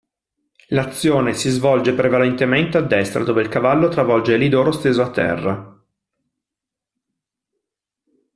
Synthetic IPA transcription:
lat̪sːjoːnesizvɔld͡ʒepɾevalent̪ement̪ead̪ːɛst̪ɾa̰d̪oːveilkavalːot̪ɾavɔld͡ʒelid̪oːɾost̪eːzoat̪ːɛ̰rːa

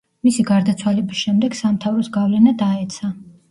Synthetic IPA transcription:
misiɡaɾd̪at̪sʰwalɛbisʃɛmd̪ɛɡ̥samt̪ʰavɾɔsɡavlɛnad̪aɛt̪sʰa

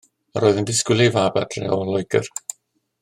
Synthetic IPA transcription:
əɾoːðənvɪskwɪlˠivabad̥rɛ̰ɔlˠɔjɡə̰r

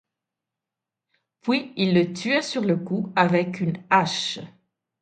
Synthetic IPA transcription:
pɥiilːət̪ɥɛsyʁləkuavɛkynaʃ

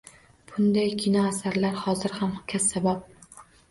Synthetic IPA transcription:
b̥ʊnd̪ajkʲʰɪnɒːsaɾlaɾhɒzɪɾhamχʊkʰʲːasːabap̚

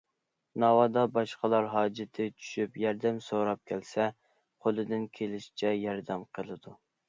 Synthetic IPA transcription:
nɑwɑd̪ɑbɑʃqəlˠɑɾɦɑːd͡ʒɪt̪ʰɪt͡ʃʰy̥ʃypjɑɾd̪ɛmsoɾɑp̚kʲʰɛlsɛ | qʰolˠɨd̪ɪnkʲʰelɪʃi̥t͡ʃʰɛjɑɾd̪ɛmqʰəlˠɨd̪u

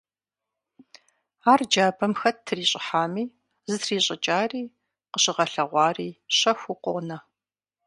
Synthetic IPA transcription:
aːrd͡ʒaːbʰɐmxɐttʰːɨriːɕʼɪħaːmiː | zɨtʰriːɕʼɪt͡ʃʼaːriː | qəɕʼɪʁɐɬɐʁʷɑːriːɕɐxʷʊqʷɔʁnɐ

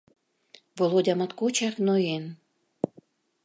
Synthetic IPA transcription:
volˠodʲɑmɑt̪kot͡ɕɑknojen

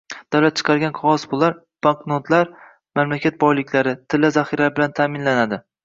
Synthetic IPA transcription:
d̪̥awlat̪̚t͡ʃʰɨ̥qʰɑɾɡʲanqʰɒʁɒsbʊlˠaɾ | b̥aŋknot̪laɾ | mamlakʲʰat̪̚bɒjlɪkʲlaɾɪt̪ʰɪlːazaχiɾabɪlant̪ʰaːmɪnlanad̪ɪ

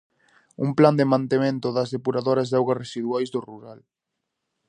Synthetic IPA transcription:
ṵmpland̪emãnt̪emẽnt̪ʊðɐzðepuɾaðoɾɐzðawɣasresiðuajzðoruɾal

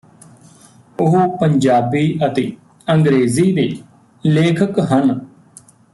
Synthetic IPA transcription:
ʊɦupəɲd͡ʒaːbiːʔət̪eː | əŋɡɾeːziːd̪eː | leːkʰəkɦən

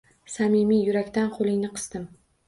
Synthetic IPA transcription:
samimijʊɾakʲt̪anqʰolˠɪŋnɪqʰɨ̥st̪ɪm

